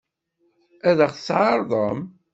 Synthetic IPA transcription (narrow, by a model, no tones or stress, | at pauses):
æðəχθsʕɑɾˤðˤəm